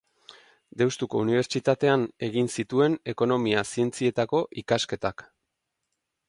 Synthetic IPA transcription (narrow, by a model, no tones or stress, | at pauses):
d̪e̞wst̪uko̞uniβ̞e̞ɾt͡ʃit̪at̪e̞ane̞ɣinsit̪ue̞ne̞ko̞no̞miasie̞nt͡sie̞t̪ako̞ʔikaske̞t̪ak